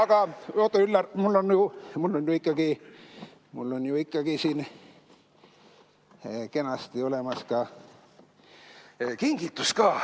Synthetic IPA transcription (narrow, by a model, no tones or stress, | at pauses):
ɑɡ̥ɑot̪ːˑoylːɑrmulːo̞njumulːo̞njuikːˑɑɡi | mulːo̞njuikˑːɑɡ̥isiːn | ke̞nɑst̪io̞le̞mɑskɑ | kiŋɡit̪ːˑuskɑː